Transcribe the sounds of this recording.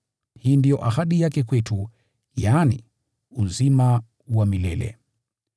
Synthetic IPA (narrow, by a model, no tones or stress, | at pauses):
hiːndijɔʔahaɗijakɛkwɛtu | janḭ | uzima | wamilɛlɛ̰